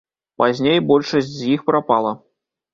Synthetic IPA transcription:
pazʲnʲejbɔlʲʂɐsʲtʲzʲjixpɾapalˠɐ

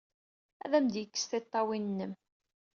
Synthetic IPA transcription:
æ̰ðæmd̪jəkːə̥sθet̪ˤːɑwinnːəm

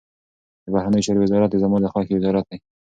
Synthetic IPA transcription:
d̪əbahɾanəjot͡ʃɑɾowɪzɑɾat̪̚d̪ezamud̪əxɑkewɪzɑɾat̪̚d̪aj

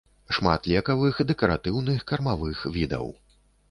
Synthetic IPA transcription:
ʂma̰t̪lʲɛkɐvɨxd̪ɛkɐɾat̪ɨwnɨxkɐrmavɨxvʲid̪ɐ̰w

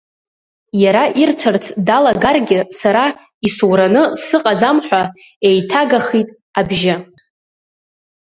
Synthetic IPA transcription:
jaɾaʔirt͡sʷʰɨrt͡sʰdalaɡarɡʲɪsaɾa | iswɾanɨsɨqʼad͡zamħʷᶣa | e̞jtʰaɡaχitʼ | abʒɪ

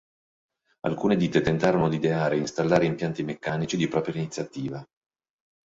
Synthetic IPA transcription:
a̰lkuːned̪iːt̪et̪ent̪aːɾonod̪id̪eaːɾeinst̪alːaːɾeimpjant̪imekːaːnit͡ʃid̪ipɾɔːpɾjainit̪sːjat̪iːva

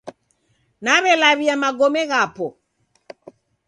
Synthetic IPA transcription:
naβɛlaβiamaɡɔmɛɣapɔ

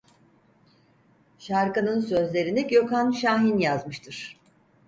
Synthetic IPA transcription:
ʃaɾkanɯnsø̞zlʲe̞ɾinɛkjo̞kʰanʃaːɦinjazmɯʃt̪ʰɯɾ̥

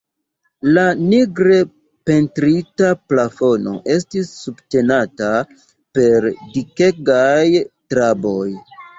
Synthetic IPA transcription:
laniɡɾe̞ | pe̞ntɾitaplafo̞no̞̰ʔe̞s̬tisːubte̞nata | pe̞ɾdike̞ɡajtɾabo̞j

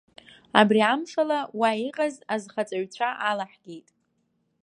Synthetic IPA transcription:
a̰briamʂalawaiqʼazazχat͡sʼaɥt͡ɕʷʰaʔalaħɡ̥ʲejtʼ

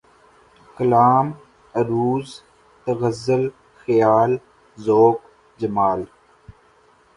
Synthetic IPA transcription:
kəlaːm | ɐɾuːz | t̪əɣɐzəl | xəjaːl | zoːk | d͡ʒəmaːl

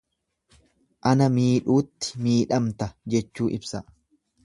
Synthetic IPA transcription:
ʔɐnɐmiːᶑuːt̪ːɪ̥miːᶑɐmt̪ɐd͡ʒɛt͡ʃːuːʔɪbsɐ

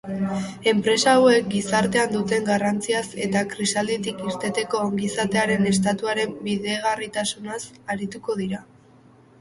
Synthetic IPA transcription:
e̞mpɾe̞saːwe̞k̚ɡisaɾt̪e̞and̪ut̪e̞ŋɡarant͡siase̞t̪akɾisald̪it̪ikiɾt̪e̞t̪e̞ko̞aŋɡisat̪e̞aɾe̞ne̞st̪at̪uaɾe̞mbiðeɣ̞arit̪asunasaɾit̪uko̞ð̞iɾa

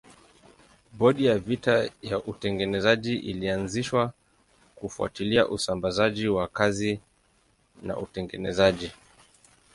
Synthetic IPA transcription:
ɓɔɗijavitajaʔutɛŋɡɛnɛzaʄiʔilianziʃwa | kufua̰tiliaʔusambazaʄiwakazi | na̰ʔutɛŋɡɛnɛ̰zaʄi

